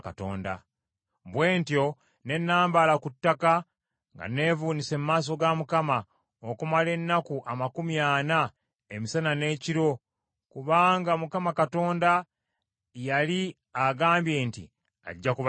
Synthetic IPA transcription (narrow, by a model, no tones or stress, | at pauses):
kato̰ːnda̰ | βwe̞ːntjo̞ | ne̞nːaːmbalakutːaka | ŋɡa̰ne̞ːvuːnise̞mumaːs̬o̞ɡamukama | okumale̞nːakuʔamakumjaːna | emisanane̞ːciɾo̞ | kuβaːŋɡamukamakato̞ːnda | jali | aɡaːmbje̞ːntḭ | a̰ɟːakuβ